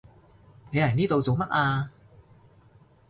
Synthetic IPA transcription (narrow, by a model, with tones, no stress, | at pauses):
ne˨˧jlaː˨˩jniː˥t̪o˨˧wt͡so˨˩wmɐ˥t̚ʔaː˧